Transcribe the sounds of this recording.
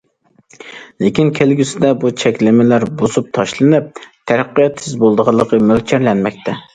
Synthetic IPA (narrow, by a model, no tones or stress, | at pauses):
lekʲinkʲʰelɡʲysɪd̪ɛbut͡ʃʰɛkʲlɪmɪlæɾbosup̚t̪ʰɑʃlˠɨnɨp̚t̪ʰæɾæqːijɑt̪ːsɪzbolˠd̪əʁɑlˠːəqʰəmølt͡ʃʰɛɾlɛnmɛk̚ʲt̪ʰɛ